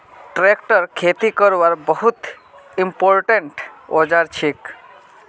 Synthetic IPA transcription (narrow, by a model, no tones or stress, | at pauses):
ʈɾekʈəɾkʰet̪ikɔɾʋaɾbəɦut̪ | impoɾʈeɳʈɔd͡ʒaɾt͡ʃʰik